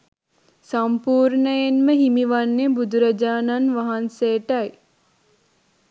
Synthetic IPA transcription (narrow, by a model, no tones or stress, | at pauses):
sɐmpuːɾnəjenməɦimiʋanːebud̪ʱuɾəd͡ʒaːnanʋaɦanseːʈaj